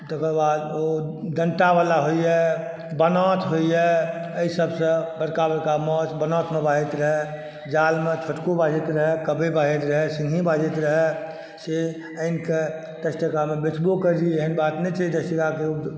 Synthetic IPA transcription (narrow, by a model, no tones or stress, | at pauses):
t̪ekəɾbad̪od̪əɳʈabalaɦoiɛ | bənɔt̪ɦoiɛ | əisəbsə̃bəɾkabəɾkamɔt͡ʃbənɔt̪mebaɦet̪ɾəɦɛ | d͡ʒalmẽt͡ʃʰəʈkobad͡ʒet̪ɾəɦekəbebad͡ʒet̪ɾəɦɛsĩŋɡʱĩbad͡ʒet̪ɾəɦɛ | se | əɪnke | d̪̥əsʈəkamebet͡ʃbokəɾd͡ʒieɦənbat̪nɛt͡ʃaɦid̪əsʈəkakeu